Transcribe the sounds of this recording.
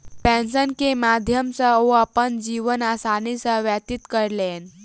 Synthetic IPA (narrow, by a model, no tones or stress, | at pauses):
pɛ̃nsənkemad̪ʱjəmsəoapəɳd͡ʑiʋənasanisəʋjat̪it̪kəɾlen